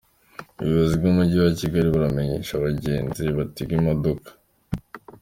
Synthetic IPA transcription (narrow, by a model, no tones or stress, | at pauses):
ṵβiβazibɟumuɟiwaciɡaɾiβuɾame̞ɲe̞̰ʃaβaɟe̞ːnziβatiɡimadokḁ